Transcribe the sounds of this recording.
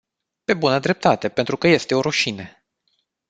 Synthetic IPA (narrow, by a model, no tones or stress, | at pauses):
pe̞bunəd̪ɾe̞p̚t̪at̪e̞pe̞nt̪ɾukəje̞st̪e̞o̞ɾuʃine